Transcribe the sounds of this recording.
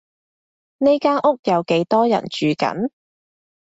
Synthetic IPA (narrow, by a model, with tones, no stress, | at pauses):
ne˥jkaː˥nʔʊ˥k̚jɐ˨˧wke˨˥jt̪ɔː˥jɐ̰˨˩nt͡ʃyː˨kɐ̰˨˥n